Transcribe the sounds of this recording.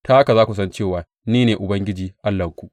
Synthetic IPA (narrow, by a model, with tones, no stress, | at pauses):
taː˦ʔka˨zaː˦kʷu˨sɐ˦nt͡ʃeː˦˨waː˨ | niː˦neː˨ʔʊ˨bɐ˦ŋɡʲɪ˦d͡ʒiː˨ʔa˦lːɐ˨ŋkʷu˨ʔ